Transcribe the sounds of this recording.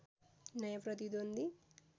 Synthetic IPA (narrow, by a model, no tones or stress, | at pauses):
nɐjɐpɾɐt̪id̪ond̪i